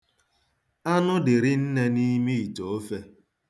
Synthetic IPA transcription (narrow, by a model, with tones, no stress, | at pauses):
a˦nʊ˦dɪ˨ɾɪ˦n̩˦ne˦ni˦mi˦i˨to˨o˦fe˦